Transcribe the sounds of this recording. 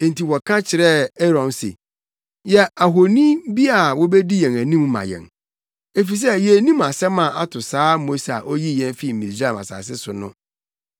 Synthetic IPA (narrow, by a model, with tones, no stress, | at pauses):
ẽ˨n̩˨ti˨wɔ˨kʰã˦t͡ɕʰɪ˨ɾɛ˦ɛ˦ɾɔ̃˨nsḛ˨ | jɛ˦a˨ɦo˨nĩ˦bi˦a˨wɔ˦be˦di˦jɛ̃˨ŋæ˨nĩ˦mmã̰˨jɛ̰̃˨ŋ | e˦fi˨s̬ɛ˦jɛ˨˦nĩ˦ma˨sɛ˦mã˨a˦tʰʊ˨saː˦mo˦sa̰˨ʔo˦ji˦jɛ̃˦n˦fi˦˨m̩˨mĩ˨sa˦˨ma̰˨sa̰ː˨s̬ɪ˦sʊ˨nʊ̃˦